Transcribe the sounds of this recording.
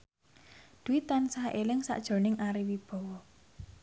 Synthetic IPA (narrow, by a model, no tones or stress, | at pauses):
d̪̥ṳwit̪ːansaʔelɪŋsa̰ʔd̥ʒ̥o̤nɪŋʔaɾiwib̥ɔ̤wɔ